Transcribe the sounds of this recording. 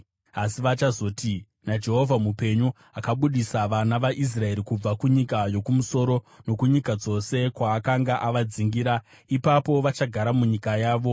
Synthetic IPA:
asiʋat͡ʃazo̞ːtʰi | nad͡ʒe̞ɦo̞vʱamupe̞ɲu | akaɓuɗisaʋanaʋaʔis̬rae̞ɾikub͡vakuɲikajo̞kumuso̞ɾo̞ | no̞kuɲikad͡zo̞se̞kwaːkaŋɡaʔaʋad͡ziŋɡiɾa | ipapo̞ʋat͡ʃaɡʱaɾamuɲikajaːʋo̞

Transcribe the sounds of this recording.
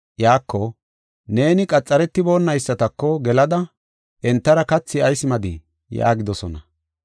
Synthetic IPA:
jaːkːɔ | ne̞ːnɪkʼɐt͡sʼːɐɾɛt̪ːɪbo̞ːnːɐjsːɐt̪ɐkːɔɡɛlɐd̪ɐ | ʔɛnt̪ːɐɾɐkɐt͡sːɪɐjsɪmɐd̪ɪ | ja̰ːɡɪd̪ɔsɔnɐ

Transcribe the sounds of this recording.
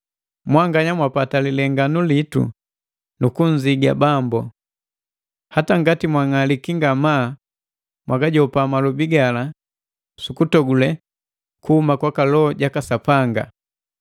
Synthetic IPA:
mwaŋɡaɲamwapatalilɛŋɡanulitṵ | nukuɲziɡa̰bambu | hataŋɡatimwaŋalikiŋɡama | mwaɡaɟɔpamalubiɡala | sukutɔɡulɛ | kuhumakwakalɔːɟakasapaŋɡa̰

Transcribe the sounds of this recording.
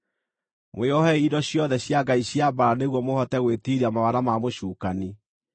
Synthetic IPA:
mweɔhɛidɔɕjɔðɛɕjaɡaiɕjabaɾaneɣwɔmohɔtɛɣwetiɾiamawaɾamamoʃuːkani

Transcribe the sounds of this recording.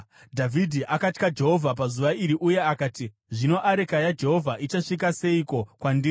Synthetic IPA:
dʱavʱidʱiʔakatkad͡ʒe̞ɦo̞vʱap̬azuʋaiɾiʔuje̞akaːti | ʐino̞ʔaɾekajad͡ʒe̞ɦo̞vʱaʔit͡ʃaʂik̬ase̞iko̞kwandi

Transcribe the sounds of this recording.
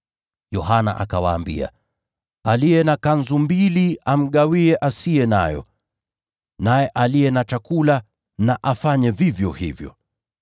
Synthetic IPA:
jɔɦana̰ʔakawaːmbḭa̰ | alijɛnakanzumbiliam̩ɠawiɛʔasiɛna̰jɔ̰ | najɛʔaliɛnat͡ʃakula | naʔafaɲɛvivjɔhḭvjɔ̰

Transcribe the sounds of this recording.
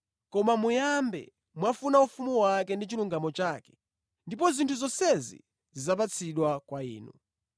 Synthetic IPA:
kɔmamujambɛ̰ | mwafunaufumuwakɛndit͡ʃiluŋɡamɔt͡ʃaːkɛ̥ | ndip̬ɔzintʰuzɔsɛzḭ | zizap̬at͡sʰiɗwakwaḭːnṵ

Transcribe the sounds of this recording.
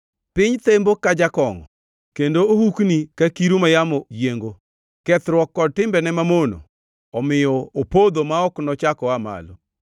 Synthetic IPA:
pɪɲt̪embokad͡ʒakɔŋɔ | kendoohuknikakiɾumajamɔjjeŋɡo | kɛt̪ɾwɔkːɔd̚tɪmbɛnɛmamono̰ | ɔmɪjɔopod̪omaɔknɔt͡ʃakɔama̰lo

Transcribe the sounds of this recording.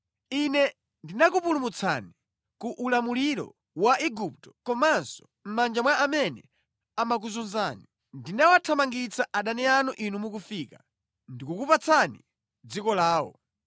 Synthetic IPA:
inɛ | ndinakupulumut͡sʰa̰ni | kuʔːlamuliɾɔ̰ | waʔiɡup̚tɔ̥kɔmansɔ̥ | m̩mand͡ʒamwaamɛnɛ | amak̬uzunzaːni | ndinawatʰamaŋɡit͡sʰaʔaɗanɛanuʔinumukufika | ndikukupat͡sʰanḭ | d͡zikɔlaːwɔ̰

